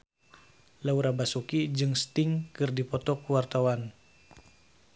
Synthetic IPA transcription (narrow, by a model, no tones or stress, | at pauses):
lauɾabasukid͡ʒɨŋst̪ɪŋkɨrdipɔt̪ɔkuwart̪awan